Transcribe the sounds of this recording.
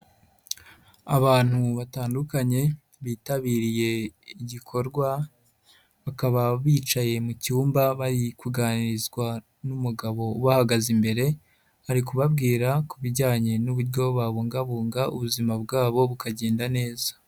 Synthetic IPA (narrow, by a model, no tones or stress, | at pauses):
aβaːn̥huβataːndukaɲe̞ | βiːtaβiːɾije̞iɟikʰo̞ɾɡwa | βakaβaβiːt͡ʃaje̞mucuːmbaβaɾikuɡaːniɾizɡwa | numuɡaβo̞uβahaɡazimbe̞ɾe̞ | haɾikuβab̚ɡiːɾakuβiɟaːɲe̞nuβuɾɟo̞βaβuːŋɡaβuːŋɡaṵβuzimab̚ɡaːβo̞βukaɟe̞ːndane̞ːzḁ